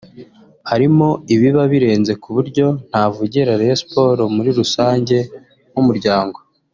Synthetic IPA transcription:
haɾimo̞iβiβaβiɾe̞ːnze̞kuβuɾɟo̞n̥havuɟiɾaɾeospo̞ɾo̞muɾiɾusaːɲɟe̞ | mwumuɾɟaːŋɡo̞

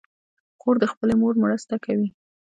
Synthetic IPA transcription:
xoɾd̪əxpəlemoɾmɾəst̪akawi

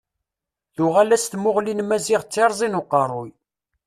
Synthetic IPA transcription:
θʊʁælæst̪mʊʁlinmæziʁt͡sːeɾˤzˤinuqːɑɾˤʊj

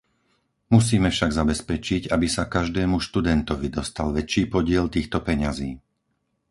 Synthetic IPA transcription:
musiːmɛfʃaɡzabɛspɛt͡ʃiɟabisakaʒd̪ɛːmuʃt̪ud̪ɛnt̪ɔʋid̪ɔst̪alʋɛt͡ʃiːpɔɟɪɛlt̪iːxt̪ɔpɛɲaziː

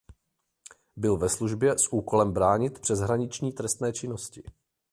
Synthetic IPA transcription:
bɪlvɛsluʒbjɛsʔuːko̞lɛmbɾaːɲɪt̪pr̥ɛzɦɾaɲɪt͡ʃɲiːt̪ɾɛst̪nɛːt͡ʃɪno̞scɪ

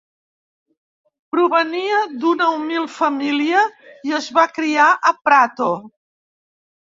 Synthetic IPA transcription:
pɾuβəniəd̪unəumilˠfəmiliəiəzβakɾiaʔəpɾat̪o

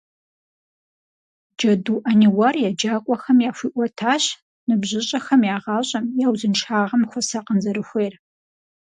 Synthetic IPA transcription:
d͡ʒɐduːʔɐniwɐrjɛd͡ʒaːkʷʼɔxɐmjaːfʷiːʔʷɐtʰaːɕ | nɨbʑɪɕʼɐxɐmjaːʁɑːɕʼɐmjaːwzɨnʈ͡ʂʰaːʁɐmxʷɔsɐqənzɐɾɨxʷeːr

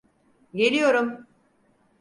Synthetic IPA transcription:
ɟelʲijo̞ɾum

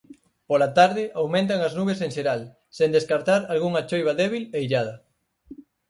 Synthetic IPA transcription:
polat̪aɾðɪʔawmẽnt̪̬aŋɐznuβeseŋʃeɾal | send̪eskaɾt̪aɾalɣuŋɐt͡ʃojβ̞ɐðɛβileiʎað̞ɐ

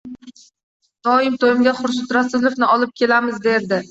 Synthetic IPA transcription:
d̪̥ɒɪmt̪ʰojɪmɡʲaχʊɾs̬ʊt̪ɾasɪlˠofnɪʔɒlɪp̚kʲʰe̞lamɪzd̪e̞ɾd̪ɪ

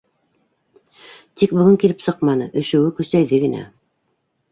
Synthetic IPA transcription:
t̪ik̚bɵ̆ɡɵŋkilɘpsɤqmɑnɤʔɵ̆ʃɵ̆wɘkɵ̆sæjðɘɡɘ̆næ̰

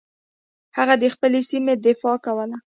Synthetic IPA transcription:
haɣad̪əxpəlesimed̪ɪfɑkawəla

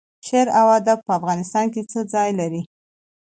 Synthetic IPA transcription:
ʃeɾawad̪ab̚pəafɣɑnɪst̪ɑnket͡səd͡zɑjlaɾi

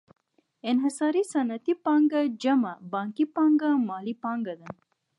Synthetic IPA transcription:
enɦɐsɐɾisɐnɐt̪ipaŋɡɐd͡ʒɐmɐbaŋkipaŋɡamaːlipaŋɡɐd̪ɐn

